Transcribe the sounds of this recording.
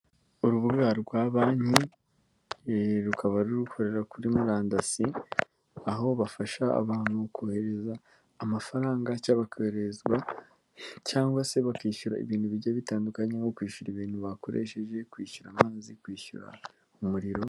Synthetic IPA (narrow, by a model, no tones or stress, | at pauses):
uɾuβuɡaɾɡwaːβaːɲi | ɾukʰaβaɾuɾukʰo̞ɾe̞ɾakuɾimuɾaːndasi | aɦo̞βafaʃa̰ːβaːn̥hukʰoːhe̞ɾe̞zaː | mafaɾaːŋɡacaβakoeɾezɡwa | caːŋɡwase̞βakiːʃuɾa̰ḭβiːnhuβiɟaβitaːndukaɲeŋokwiːʃuɾiβiːnhuβako̞̰ɾe̞̰ʃe̞ʒe̞kwiːʃuɾaːmaːzikwiːʃṵɾa̰ | umuɾiɾo̞